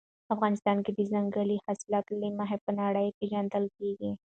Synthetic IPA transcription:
afɣɑnɪst̪ɑːnked̪izaŋɡəlihasɪlɑːt̪limaɦepənɑɽəjpeʒɐnd̪əlkeɡi

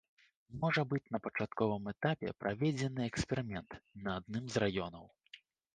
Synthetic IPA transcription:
mɔʐɐbɨt͡sʲnɐpɐt͡ʂat̪kɔvɨmɛt̪apʲɛ̰pɾʔavʲɛd͡zʲɛnɨɛkspʲɛɾɨmʲɛnt̪nɐːd̪̚nɨmzrajɔnɐw

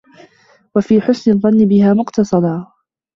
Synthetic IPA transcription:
wafiːħʊsnɪðˤːɑnːɪbɪhaːmʊqt̪ɑsˤɑd̪ˤɑː

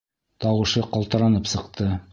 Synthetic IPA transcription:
t̪ɑwɤ̆ʃɤqɑlˠt̪ɤ̆ɾɑnɤpsɤ̆qt̪ɤ

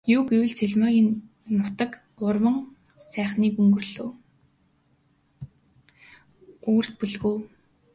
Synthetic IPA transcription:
juːɡewɘ̆ɮt͡sʰeɮmaːɣʲiːnː | ʊt̪ə̆k | ɢʊrwə̆ŋ | sæːχniːkɵŋɡɵ̆rɮoː | uːr̥t̪̚pɵɮɣuː

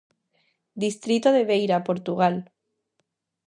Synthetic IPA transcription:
d̪ist̪ɾit̪oðeβ̞ejɾapoɾt̪uɣ̞al

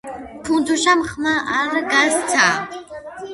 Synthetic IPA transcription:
pʰunt̪ʰuʃamχmaʔaɾaɡazt̪t͡sʰa

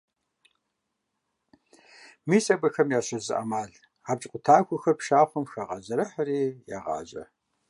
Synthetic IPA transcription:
miːsɐbɐxɐmjaːɕɐzɨ̰ʔɐ̰maːɮ | aːb̚t͡ʃʼqʷʊtʰaːkʷʰʊxɐrpʃaːfʷɐmxaʁɑʑɐɾɐħɐɾiːja̰ːʁɑ̰ːʑɐ̰

